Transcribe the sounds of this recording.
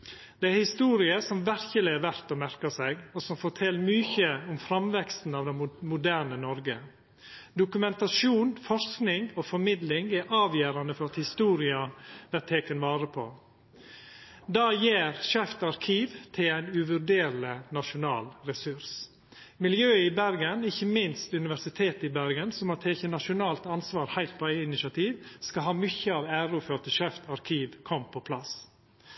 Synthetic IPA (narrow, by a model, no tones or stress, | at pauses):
d̪̥ɛæhɪst̪uːɾɪəsɔmʋæɾçəlɪæɾʋæɾt̪ɔmæɾkəsɛɡɔsɔmfɔʈʰɛlːmyːçəʊmfɾɑmʋɛkst̪n̩ɑʋd̪ɛmʊd̪æːɾɳənɔɾɡə | d̪ʊkʉmɛnt̪ɑʃuːnfɔɾsknɪŋofɔɾmɪd̪lɪŋæɾʔɑːʋjæːɾɑnəfɔɾɑt̪hɪst̪uːɾɪɑʋæt̪ʰːeːkənʋɑːɾəpʰo̰ː | d̪ɑːjeːɾʃɛft̪ɑɾkʰiːʋt̪ʰɪlæɪnʉʋʉɾɖeːɾlənɑʃʊnɑ̰ːlɾɛsʉɾs | mɪljøːɪbæɾɡənɪçːəmɪnst̪ʉnɪʋæʂɪt̪ʰeːt̪ɪbæɾɡənsɔmɑt̪ʰeːçənɑʃʊnɑːlt̪ɑnsʋɑːɾhæɪlt̪̚pʰɔæɪɪnɪʃɑt̪ʰiːʋskɑɦɑːmʏçəɑːʋæːɾʊfɔɾt̪əʃɛft̪ɑɾkʰiːʋkʰɔmːpʰɔpʰlɑs